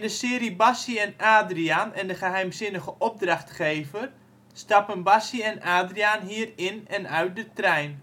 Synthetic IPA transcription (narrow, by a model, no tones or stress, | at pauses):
ndəsɪːɾibasiɛnaːdrianɛndəχəɦɛjmzɪnəɣəʔɔb̚draχtχeːvər | stɑpənbasəɛnaːdriaːnɦiːərɪnɛnœɥt̚dətrɛjn